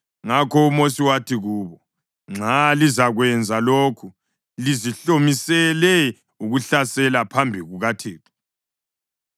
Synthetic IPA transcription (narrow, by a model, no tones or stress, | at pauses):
ŋakʰɔumosiwatʰiɣuːβɔ | ŋ͡ǁʱalizaɣwɛnd͡zʱaloːkʰu | liziɬomisɛlɛ | uɣuɬasɛlapʰambʱiɣuɣatʰeːtʰɔ̥